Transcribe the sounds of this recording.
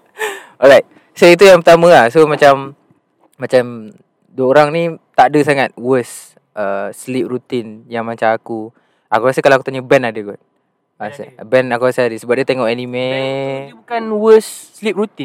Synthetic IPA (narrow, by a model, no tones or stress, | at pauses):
ɔɾajt̪̚ | səit̪̬ujaŋpət̪amə̃ahsomat͡ʃamː | at͡ʃam | duəoɾaŋnit̪aʔdəsaŋat̪̚wəs | əslip̚rut̪injaŋmat͡ʃamaku | akuɾasəkalawakut̪aɲəbɛnadəɡɔt̪̚ | asbɛnakuasəadəsəbap̚diət̪eŋɔʔɛnimebukanwəsːlip̚rut̪in